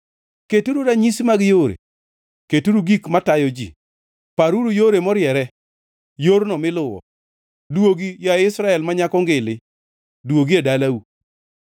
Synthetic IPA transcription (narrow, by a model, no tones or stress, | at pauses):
ketuɾuɾaɲismaɡɪjoɾḛ | ketuɾuɡikmatajɔd͡ʒḭ | paɾuɾujoɾemɔɾjɛɾɛ | joɾnɔmɪlʊwɔ̰ | dwoɡijaɪsɾaɛlmaɲakɔŋɡɪlɪ | dwoɡiadalau